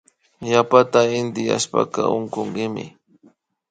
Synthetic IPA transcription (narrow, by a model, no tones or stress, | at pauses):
ʎapat̪aɪnd̪ɪja̰ʃpa̰kaoɴkoŋɢɪmɪ̰